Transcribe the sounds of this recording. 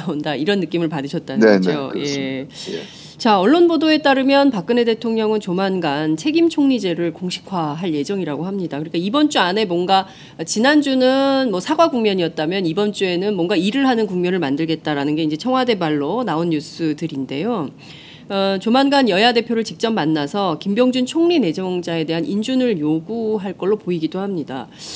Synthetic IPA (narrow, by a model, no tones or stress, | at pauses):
naondaiɾʌnːɯk͈imɯɭpadɯɕʰʌt̚t͈aoje̞ | t͡ɕaʌɭːonbodoe̞t͈aɾɯmjʌnpak̚k͈ɯne̞de̞tʰoŋɲʌŋɯnt͡ɕomanɡant͡ɕʰe̞ɡimt͡ɕʰoŋɲid͡ʑe̞ɾɯɭkoŋɕʰi̥kʰwaɦaɭje̞d͡ʑʌŋiɾaɡoɦamɲidakɯɾik͈aibʌnt͡ɕ͈uane̞mwʌnɡa | t͡ɕinand͡ʑunɯnmʌsʰaɡwaɡuŋmjʌɲiʌt̚t͈amjʌnibʌnt͡ɕ͈ue̞nɯnmwʌnɡaiɾɯɭɦanɯnkuŋmjʌnɯɭmandɯɭɡe̞t̚t͈aɾanɯnɡe̞ind͡ʑe̞t͡ɕʰʌŋɦwade̞baɭːonaonːus͈ʰɯdɯɾinde̞jo | ʌt͡ɕomanɡanjʌjade̞pʰjoɾɯɭt͡ɕik̚t͡ɕ͈ʌmːanːasʰʌkimbjʌŋd͡ʑunt͡ɕʰoŋɲine̞d͡ʑʌŋd͡ʑae̞de̞ɦanʔind͡ʑunɯɭjoɡuɦaɭk͈ʌɭːopoiɡidohamɲida̰